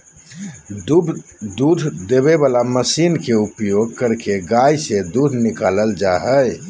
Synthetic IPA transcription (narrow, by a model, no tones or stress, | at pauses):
d̪ubd̪ud̪ʱd̪eβeβalaməsinkeupjoɡ̚kəɾkeɡajsed̪ud̪ʱnikaləld͡ʒaɦəj